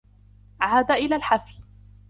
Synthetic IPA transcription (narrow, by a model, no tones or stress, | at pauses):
ʕaːd̪aʔɪlaːlħafi